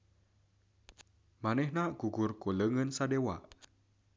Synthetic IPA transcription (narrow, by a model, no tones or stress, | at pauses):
manɛhnaʔɡ̥uɡʊrkoləŋənsadewa̰ʔ